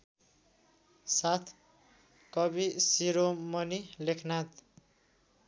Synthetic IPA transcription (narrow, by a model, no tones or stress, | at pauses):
sat̪ʰ | kʌbisiɾomʌnilekʰnat̪